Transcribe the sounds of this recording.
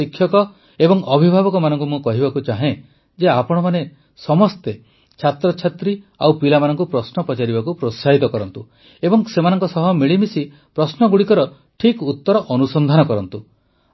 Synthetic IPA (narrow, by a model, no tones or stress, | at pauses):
ikʰjɔkɔ | ebɔŋɔbʱibʱabɔkɔmanɔŋkumũkɔɦibakut͡ʃaɦẽ | d͡ʒeapɔɽ̃ɔmane | sɔmɔst̪e | t͡ʃʰat̪ɾɔt͡ʃʰat̪ɾia̰wpilamanɔŋkupɾɔsnɔpɔt͡ʃaɾibakupɾosaɦit̪ɔkɔɾɔnt̪u | ebɔŋsemanɔŋkɔsɔɦɔmiɭimisi | pɾɔsnɔɡuɽikɔɾɔ | ʈʰikut̪ːɔɾɔʔɔnusɔnd̪ʱanɔkɔɾɔnt̪u